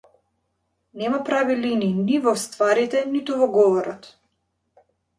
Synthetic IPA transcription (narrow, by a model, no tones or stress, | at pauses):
nɛmapɾavilininivɔst̪vaɾit̪ɛnit̪uvɔɡɔvɔɾɔt̪